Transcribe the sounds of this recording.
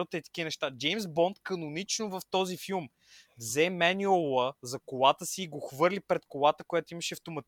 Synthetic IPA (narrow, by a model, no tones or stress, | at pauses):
ot̪əit̪ə̥kʲiənɛʃt̪ad͡ʒɛjmsbɔnt̪kɐnʊnit͡ʃnovɐft̪ɔzifilˠm | vzɛmɛniolˠəzɐkolˠat̪əsiːɡoxvɤɾlipɾɛt̪kolˠat̪əkʊjat̪ʊiməʃɛft̪omɐt̪